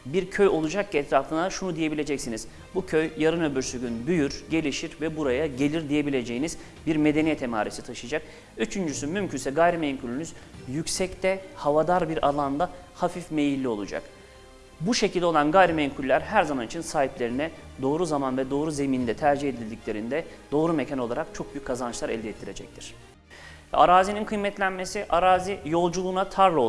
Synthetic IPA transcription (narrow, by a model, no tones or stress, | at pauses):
biɾcʰøjo̞lˠud͡ʒak̚ciɛt̪ʰɾafɯnaʃunud̪ije̞bilʲe̞d͡ʒɛcsiniz̥ | bucʰøjjaɾɯnø̞byɾsyɟʲynbyjyɾɟe̞lʲiʃiɾvɛbuɾajaɟe̞lʲiɾd̪ije̞bilʲe̞d͡ʒe̞jiniz̥ | biɾme̞d̪e̞nijɛt̪ʰɛma̰ːɾisi̥t̪ʰaʃɯjad͡ʒak̚ | yt͡ʃʰynd͡ʒysymymcʰynsɛɡajɾimejŋkʰulʲynyzjycsɛct̪ʰɛhavad̪aɾbiɾa̰lˠand̪a | hafifme̞jilʲːio̞lˠud͡ʒa̰k | buʃecʰilʲd̪eo̞lˠanɡajɾimeiŋkʰulʲːæɾɦæɾzamanit͡ʃʰinsaːɦiplʲe̞ɾinɛd̪o̞ːɾuzamanvɛd̪o̞ːɾuze̞mind̪ɛt̪ʰæɾd͡ʒihe̞d̪ilʲd̪icʲlʲe̞ɾind̪ɛ | d̪̥o̞ːɾumecʰano̞lˠaɾak̚t͡ʃʰo̞k̚byjyckʰːazant͡ʃlˠaɾɛ̰lʲd̪ɛːt̪ʰːiɾe̞d͡ʒɛ̰c̚t̪ʰiɾ̥ | vɛ̰aɾaːzininkʰɯjmɛt̪lʲænme̞siʔaɾaːzijo̞lˠd͡ʒulˠuːnat̪ʰaɾlˠo